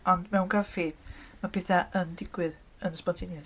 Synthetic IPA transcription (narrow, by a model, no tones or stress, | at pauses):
ɔndmɛwnkʰafeːd̥mapʰɛːθaʔəndɪɡ̥wɪð | ənəspɔntʰɪnja